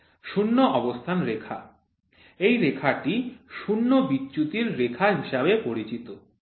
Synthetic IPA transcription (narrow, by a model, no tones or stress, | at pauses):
ʃunːoʔɔbost̪ʰanɾekʰa̰ | ejɾekʰaʈiʃunːobitːɕut̪iɾːekʰaɦiʃabepoɾit͡ɕit̪o